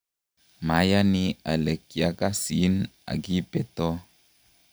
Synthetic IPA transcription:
ma˨˦ja˦ni˦a̰˨lɛ˨kːi˨a˨˦ka˦si˨˦na̰˨ɡi˦pɛ˦tɔ˦

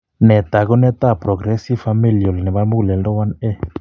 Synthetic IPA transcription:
ne˨t̪a˨ɣo˦ne˦t̪a˦pɾo˨ɣɾe˦si˦fa˧mi˦ljo˨lne˨βa˦lmu˦le˨ldo˦wa˦ne˦

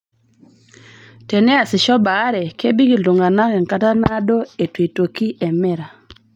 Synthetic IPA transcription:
tɛ˨nɛ˦a˨sɪ˨ʃɔ˦ba˨˦ɾɛ˨ke˦bi˦ɡi˨lu˨ŋɡa˨na˦kɛ˨ŋka˦ta˦na˦do˦e˨twe˨to˨ki˦ʔɛ˨mɛ˦ɾa˨

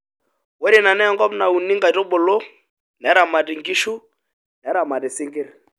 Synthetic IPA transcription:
wɛ˦ɾi˨na˨nɛ˦ŋɡɔ˦pna˨u˨ni˦ŋɡa˨to˦ɓo˨lo˦ | nɛ˨˦ɾa˨ma˨ti˨ŋɡi˦ʃu˦ | nɛ˨˦ɾa˨ma˨ti˨si˦ŋɡe˦ɾ

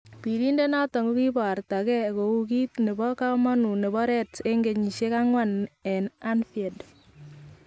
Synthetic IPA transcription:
pi˨ɾi˦nde˦na˦tɔ˨ŋɡo˦ki˦ba˨ɾta˨kɛ˦ko˨u˦ki˦tne˨bɔ˦ka˦ma˦nu˨ne˨βɔ˦ɾɛ˦te˦ŋɡe˨ɲi˨ʃe˦ka˦ŋwa˦˨nɛ˨na˦nfie˨d

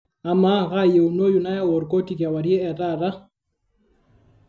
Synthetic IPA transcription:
a˨ma˦ɣa˦je˨u˨no˦ju˨na˦ja˦wo˨ɾko˦ti˨kja˨wa˨ɾje˦ɛ˨ta˦˨ɾa˦

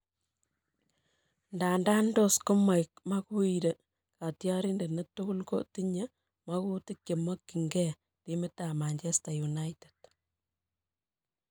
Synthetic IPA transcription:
nda˨nda˦ndo˦sko˦ma˨jk̚ma˦ku˦iɾe˨ | ka˨tjɑ˦ɾi˦nde˨ne˦tuku˦lko̰˦ti˦ɲe | ma˦ku˦ti˦k̚ke˨mo˦kːi˨ŋɡɛ | ti˦me˦tama˨ɲt͡ʃe˦sta˨ju˨na˦ited̥̚

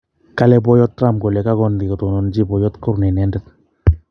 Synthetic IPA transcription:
ka˦lɛ˦pɔ˦jɔ˦tːra˦mko˨lɛ˨ka˦kɔ˦ndi˨ko˨to˨no˨nd͡ʒi˦bɔ˨jɔ˦tkʊ˦ɾnɛ˨nɛ˦ndɛ˦t̪̚

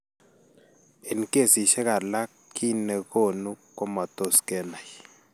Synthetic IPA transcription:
e˨n˨ke˦˨si˨ʃɛ˦ka˨la˦ | kʰi˦nɛ˨ko˦˨nu˦kɔ˦ma˨to˦˨skɛ˦na˨j

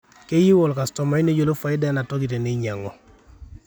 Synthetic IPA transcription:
ke˦ji˦wɔ˨lka˨stɔ˨ma˨i˦ne˦d͡ʒo˦˨lo˦fa˨ɪ˦da˦na˨tɔ˦ki˨te˨ne˦i˦ɲa˨ŋɔ˨

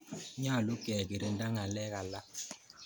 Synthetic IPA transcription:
ɲaː˦˨lu˦kɛ˨ɡi˨ɾe˨n̩˦da˦ŋa˨lɛ˦ka˨la˦

